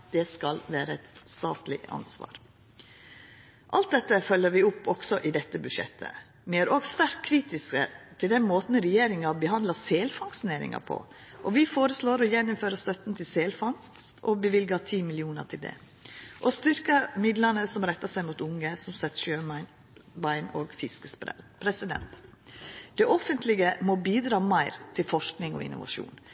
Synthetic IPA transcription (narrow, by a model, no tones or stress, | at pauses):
d̪ɛskɑlʋæːɾəɛt̪st̪ɑːt̪lɪ̰ɑ̰nsʋɑ̰ːɾ | ʔɑlt̪̚d̪ɛt̪ːəfœlːəɾʋɪʊpːɔɡ̥sɔʔɪd̪ɛt̪ːəbʉʃɛ̰t̪ʰːə̰ | ʋɪæɾɔɡsʋæɾt̪kʰɾiːt̪ɪskə̰t̪ʰɪld̪ɛnmoːt̪n̩ɾɛjeːɾɪŋɑbəɦɑnd̪ɑseːlfɑŋsneːɾɪ̰ŋɑ̰pʰɔ̰ | ʔɔʋɪfoːɾəsloːɾɔjɛnːɔmføːɾəst̪œt̪n̩t̪ʰɪlseːlfɑŋskɔbəʋɪlɡɑt̪ʰiːmɪlɪuːnə̰t̪ʰɪld̪ɛ̰ | ʔɔst̪ʏɾkəmɪd̪lənəsɔmɾɛt̪ːɑsæɪmuːt̪ʊŋːəsɔmsɛt̪ːʂøː | ʋɑɪnoːɡfɪskəspɾɛ̰pʰɾɛsɪd̪ɛ̰nt̪ | d̪̥ɛʔɔfənt̪ʰlɪɡəmɔbiːd̪ɾɑːmɑɪɾt̪ʰɪlfɔʂknɪŋɔ̰ɪ̰nːʊ̰ʋɑ̰ʂṵːn